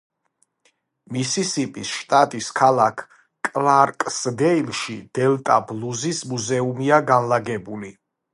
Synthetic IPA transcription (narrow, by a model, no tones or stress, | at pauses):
misisipʼisʃt̪ʼat̪ʼiskʰalˠakʰ | kʼlaɾkʼsd̪ɛilˠʃid̪̥ɛlt̪ʼabluzismuzɛumiaɡanlaɡɛbuli